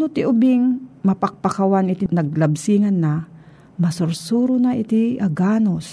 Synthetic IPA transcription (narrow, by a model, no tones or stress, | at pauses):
not̪ɪʔʊbɪŋmɐpak̚pakawanɪt̪inɐɡ̚lɐbsiːŋɐnːa | mɐsʊɾsuːɾʊnaʔɪt̪iʔaɡaːnos